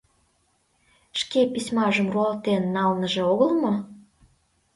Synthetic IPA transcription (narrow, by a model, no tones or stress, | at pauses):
ʃkepisʲmɑʒəmruɑlt̪enːɑlnəʒĕoɣəlmo